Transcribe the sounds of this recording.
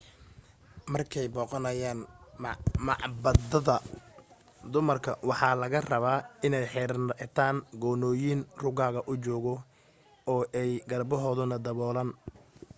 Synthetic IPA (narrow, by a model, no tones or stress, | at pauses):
mɐrkʰɛjbɔːqɔnɐjaːn | mɑʕbɐd̪ɐðɐ | d̪ʊmɐrkʰɐ̰wɑħɑːlɐɣɐrɐβaːɪnɛjħɪɾt̪ʰaːŋɡɔːnɔːjinrʊɣaːɣɐʔʊt͡ʃɔːɣɔ | ɔːʔɛjɡɐrbɔɦɔːðʊnɐd̪ɐβɔːlɐːn